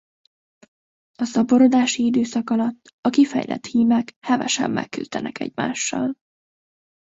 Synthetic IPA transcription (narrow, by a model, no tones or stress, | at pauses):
ɒsɒbo̞ɾo̞d̪aːʃiid̪øːsɒkɒlɒt̪ːɒkifɛ̰jlɛ̰t̪hiːmɛkhɛvɛ̰ʃɛ̰mːɛ̰kːylt̪ɛnɛkɛ̰ɟma̰ːʃːɒ̰l